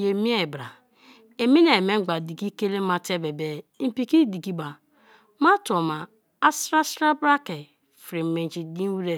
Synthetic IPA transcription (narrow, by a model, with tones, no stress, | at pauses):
je˨mi˦e˨bɾa˨ | e˨mi˦ne˨me˦ŋ͡m̩˦ɡ͡ba˨di˨ki˦ke˦le˦ma˦te˦be˨be˨˦m̩˨pi˨ki˦di˨ki˦ba˨ | ma˦to˨ma˨ | a˦sɾa˦sɾa˦bɾa˦ke˨ | fɾi˨me˨d͡ʒi˨di˦wu˦ɾe˦˨